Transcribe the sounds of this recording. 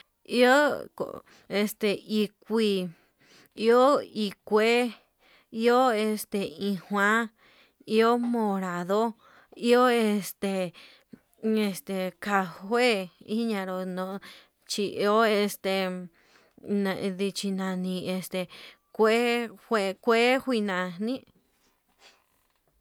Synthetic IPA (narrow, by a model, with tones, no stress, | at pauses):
i˦o˦ko̰˨ | e˧st̪e˧i˧kʷi˧ | i˦o˦i˧kʷe˦ | i˦o˦e˧st̪e˧ĩ˧hwã˦ | i˦o˦mõ˧ɾa˨ðo˦ | i˦o˦e˧st̪e˧ | e˧st̪e˨ka˧hwe˦˨i˦ɲã˧ɾo˧nõ˧˦ | t͡ʃi˧ʔi˧o˦e˧st̪e˨ | nã˧ði˧t͡ʃi˧nã˧nĩ˧e˧st̪e˨ | kʷe˦hʷe˧kʷe˦hʷi˦˧nã˨nĩ˦